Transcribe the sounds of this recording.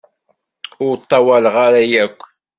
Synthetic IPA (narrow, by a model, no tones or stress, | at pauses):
ʊɾt̪ˤːɑwælʁaɾajækʷː